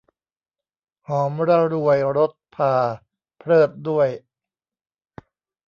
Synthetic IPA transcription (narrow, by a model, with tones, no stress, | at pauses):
hɔː˩˦mɾa˧ɾu˧əjɾo˦˥t̪̚pʰaː˧ | pʰɾɤː˥˩t̪̚du˥˩əj